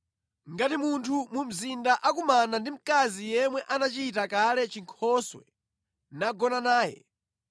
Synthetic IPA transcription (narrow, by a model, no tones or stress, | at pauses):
ŋɡatimuntʰumum̩zindaʔakumanandim̩kazijɛmwɛʔanat͡ʃitakalɛt͡ʃiŋkʰɔswɛ̰ | naɡɔnanaːjɛ̰